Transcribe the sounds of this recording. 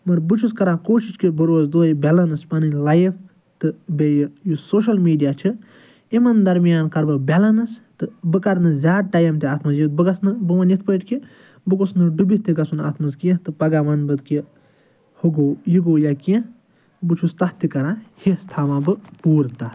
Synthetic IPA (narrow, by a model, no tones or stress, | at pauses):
mɐɾbɨt͡ʃʰuskɐɾãːkoːʃit͡ʃkibɐɾoːzd̪oːjibʲɐlɐnɨspɐnɨlajf | t̪ɨbejjusoːʃɐlmiːɖijaːt͡ʃʰɨ | imɐnd̪ɐɾmijaːnkɐɾbɨbʲɐlɐnɐst̪ɨbɨkɐɾnɨzʲaːd̪̚ʈajɐmt̪iaːt̪ʰmɐzjit̪̚bɨɡɐsnɨbɨʋɐnjit̪ʰpəʈki | bɨkosnɨɖubit̪iɡɐsuna̰ːt̪ʰmɐzkiẽt̪ɨpɐɡaːmɐnbɨd̪ki | huɡoːjiɡoːjakiẽ | bɨt͡ʃʰust̪ɐht̪ikɐɾãːhist̪ʰaːmãːbɨpuːɾt̪aː